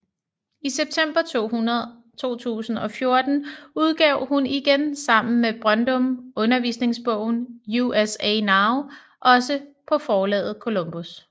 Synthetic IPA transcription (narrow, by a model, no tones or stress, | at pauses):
iseb̥̚t͡sʰem̰b̥ɐt͡sʰo̝̰ːhunɐð̩ˠ | t͡sʰo̝̰ːt͡sʰṵːsn̩ɒ̽fjo̝ɐd̥n̩uð̞ˠɡ̥ɛʊhuniɡ̥ensɑ̈m̰n̩meb̥ʁɶnd̥ɔ̽mɔ̽nɐʋḭsne̝ŋsb̥ɔ̽ʊ̰n̩juesenɑ̈ʊ | ʔɒ̽səpʰɒ̽fɒːlɛ̰ːð̩ˠkʰo̝lɔ̽mb̥us